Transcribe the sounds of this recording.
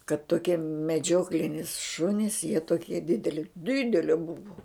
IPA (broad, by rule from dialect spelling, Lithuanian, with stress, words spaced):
kɐt toːˈkʲiɛ mʲɛˈd͡ʒʲoːklʲɪnʲɪs ˈʃʊnʲɪs jiɛ toːˈkʲiɛ ˈdʲɪdʲɛlʲɪ ˈdʲɪdʲɛlʲɛ ˈbʊʋʊ